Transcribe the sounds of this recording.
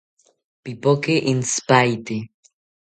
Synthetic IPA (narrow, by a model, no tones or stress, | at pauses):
pipokeʔinspajt̪i